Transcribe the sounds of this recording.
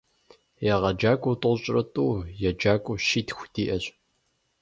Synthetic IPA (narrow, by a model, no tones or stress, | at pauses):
jɛʁɐd͡ʒaːkʷʼʊtʼʊɕʼrɐtʼuːjɛd͡ʒaːkʷʼʊʃiːtxʷdiːʔɐɕʼ